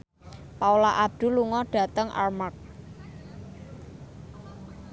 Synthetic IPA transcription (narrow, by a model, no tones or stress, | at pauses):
paulaʔab̚d̪̥ṳluŋɔɖ̥ä̤t̪əŋʔa̰rmak̚